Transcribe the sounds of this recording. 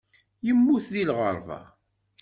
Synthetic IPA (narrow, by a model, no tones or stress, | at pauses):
jəmːuθðilʁəɾˤvɑ̰